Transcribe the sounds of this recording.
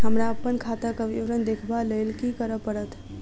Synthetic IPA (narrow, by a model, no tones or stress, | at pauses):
ɦəmɾaəpːənkʰat̪əkəʋiʋɾənd̪ekʰbalelkikəɾəpəɽət̪ʰ